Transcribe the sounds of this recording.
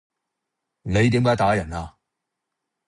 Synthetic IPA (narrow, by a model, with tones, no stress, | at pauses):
ne˨˧jt̪̬iː˨˥mkaː˨˥jt̪aː˨˥jɐ˨˩naː˧